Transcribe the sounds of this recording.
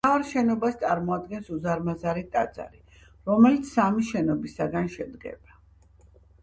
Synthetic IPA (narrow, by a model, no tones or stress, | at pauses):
aɾʃɛnɔbast̪sʼaɾmɔad̪̚ɡɛnsuzaɾmazaɾit̪ʼa̰d̪za̰ɾi | ɾɔmɛlit̪sʰːamiʃɛnɔbisaɡanʃɛd̪ɡɛ̰b̥a